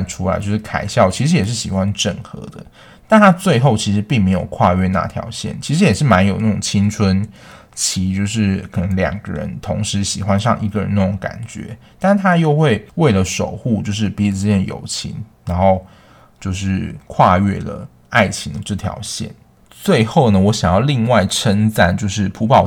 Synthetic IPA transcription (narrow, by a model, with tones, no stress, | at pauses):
ʈ͡ʂʰu˥la̰˨˧ɪt͡ɕjo˥˧ʊʂ̩˥˩kʰa˨˩ɪɕjɑ˥˩ʊt͡ɕʰi˧˥ʂɻ̩˧˥jɛ˨˩ʂɻ̩˥˩ɕi˨˩xwa˦nʈ͡ʂə˥˨˩ŋxɤ̰˧˥d̪ə̰˦ | t̪a˥˨nt̪ʰa˥t͡swe˥˧ɪxo˥˩ʊt͡ɕʰi˧˥ʂɻ̩˧˦pi˥˩ŋme˧˥ɪjo̰˨˩ʊkʰwa˥˧ɥɛ˥˧na̰˥˧˩t̪ʰjɑ̰˧˥ʊɕjɛ̰˥˩nt͡ɕʰi˧˥ʂɻ̩˧˥jɛ˨˩ʂɻ̩˥˩ma˧˥njo˨˩ʊna˥˩ʈ͡ʂʊ˨˩ŋt͡ɕʰi˥ŋt͡sʰwə˦n | t͡ɕʰi˧˥t͡ɕjo˥˧ʊʂ̬ɻ̩˥˩kʰɤ˨˩nə˧˦ŋljɑ̰˨˩ŋɡə̰˦ɻə̰˧˦nt̪ʰo˧˥ŋʂɻ̩˧˦˥ɕi˨˩xwa˦nʂɑ̰˥˧ŋʔi˧˥ɡə˨ɻə̰˧˦na˥˩ʈ͡ʂo˨˧˥ŋka̰˨˩nt͡ɕɥɛ̰˧˥ | t̪a˥˩nt̪ʰa˥jo˥˧ʊxwe˥˧ɪwe˥˩ɪlə˩ʂo˨˩ʊxu˥˧t͡ɕjo˥˧ʊʂ̬ɻ̩˥˩pi˧˥t͡s̩˥jɛ˥˩njo̰˨˩ʊt͡ɕʰḭ˧˥ŋɻa˧˥nxo˥˧ʊ | t͡ɕjo˥˧ʊʂɻ̩˥˩kʰwa˥˧ɥɛ̰˥˩lə̰˩ | a˥˩ɪt͡ɕʰi˧˥ŋd̪ə˧ʈ͡ʂə˥˩t̪ʰjɑ̰˧˥ʊɕjɛ̰˥˩n | t͡swe˥˧ɪxo˥˩ʊnə˩wɔ˧˥ɕjɑ˨˩ŋjɑ˥˧ʊli˥˧ŋwa˥˩ɪʈ͡ʂʰə˥nt͡sa̰˥˩nt͡ɕjo˥˧ʊʂ̬ɻ̩˥˩pʰu˧˥pɑ˨˩